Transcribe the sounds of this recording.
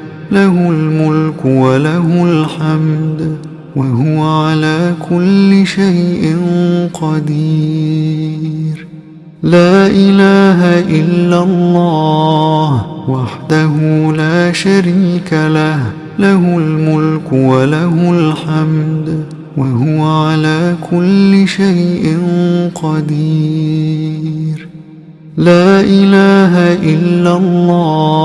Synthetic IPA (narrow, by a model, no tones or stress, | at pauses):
lahʊlmʊlkwalaʊlħamd̪ | wahʊwaʕalaːkʰʊlːɪʃajʔɪnqɑd̪iː | ɾ | laːʔɪlaːɦaʔɪlːalˤːɑːhwaħd̪aɦʊlaːʃaɾiːkalah | lahʊlmʊlkwalahʊlħamd̪ | waɦʊwaʕalaːkʰʊlːɪʃajʔɪnqɑd̪iː | ɾ | laːʔɪlaːɦaʔɪlːalˤːɑː